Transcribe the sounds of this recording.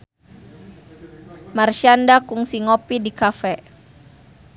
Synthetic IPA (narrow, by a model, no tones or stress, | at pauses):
marʃandakuŋsiŋopidikafɛ